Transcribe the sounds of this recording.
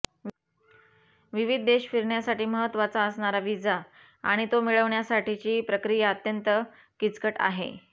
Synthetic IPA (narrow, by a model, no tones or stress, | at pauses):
ʋiʋid̪̚ːeɕfiɾɳjasaʈiːməɦət̪ʋat͡saəsɳaɾaʋid͡za | a̰ɽ̃it̪omiɭəʋɳjasaʈit͡ɕiːpɾəkɾijəət̪jənt̪ə | kit͡skəʈa̰ɦḛ